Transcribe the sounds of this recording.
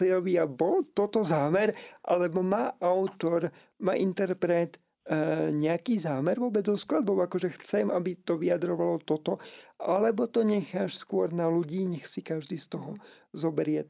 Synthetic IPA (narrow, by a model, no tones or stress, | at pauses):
iɔʋiabɔlt̪ɔt̪ɔzaːmɛɾʔa̰lɛbɔmaːʔaʊt̪ɔɾ | ma̰ːʔint̪ɛɾpɾɛt̪ | ɲɛakiːzaːmɛɾʋʊɔːbɛd͡zzɔsklad̪̚bɔʊakɔʒɛxt͡sɛmʔabit̪ɔʋiad̪ɾɔʋalɔt̪ɔt̪ɔʔalɛbɔt̪ɔɲɛxaːʃskʊɔɾnaluɟiːɲɛxsikaʒd̪iːst̪ɔɦɔ | zɔbɛɾɪɛ